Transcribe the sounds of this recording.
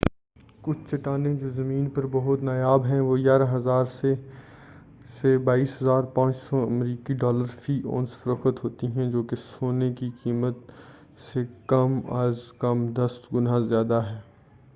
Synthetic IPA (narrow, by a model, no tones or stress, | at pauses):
kʊt͡ʃʰt͡ʃɐʈaːnẽd͡ʒoːzɐmĩːnpɐɾbɐɦʊt̪naːjaːbɦɛ̃ʋoːjaːɾaɦɐzaːɾse | sebaːiːsɦɐzaːɾpãːt͡ʃsɔɐmɾiːkiɖɔːləɾfiːʔo̰ːnsfɐɾəxət̪ɦoːt̪iɦɛ̃d͡ʒoːkesoːnekikiːmət̪ | sekɐma̰ːzkɐmd̪ɐst̪ɡʊnazjaːd̪aɦɛː